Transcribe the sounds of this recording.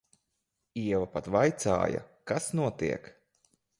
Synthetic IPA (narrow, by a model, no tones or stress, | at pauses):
iɛvapat̪vajt̪sa̰ːja̰kasnuɔt̪ḭɛk